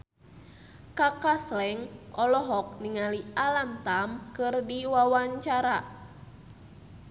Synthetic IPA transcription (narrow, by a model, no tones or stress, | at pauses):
kakaslɛŋʔɔlɔɦɔk̚niŋaliʔalamt̪amkɨrdiwawaɲt͡ʃaɾa